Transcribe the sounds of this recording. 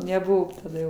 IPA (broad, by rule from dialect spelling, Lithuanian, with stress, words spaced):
nʲɛˈbʊʋoː tɐˈdɐ